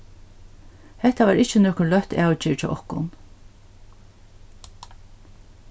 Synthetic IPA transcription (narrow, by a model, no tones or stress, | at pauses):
hɛht̪aʋaːɾɪht͡ʃɪnɔːkʊlœht̪aːwt͡ʃɪːɹt͡ʃɛʔɔ̰hkʊ̰n